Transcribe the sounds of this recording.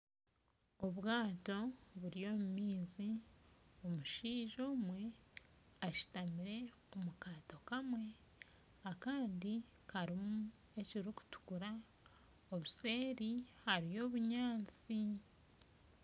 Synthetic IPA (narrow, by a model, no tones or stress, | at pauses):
o̞βɡaːto̞βuɾijo̞ːmumiːzi | o̞muʃiːʒo̞ːmwe̞ | aʃi̥tamiɾe̞ | omukaːto̞kamwe̞ | akaːndi | kaɾimu | e̞ciɾiku̥tu̥kuɾa | o̞βuse̞ːɾihaɾijo̞ːβuɲaːt͡si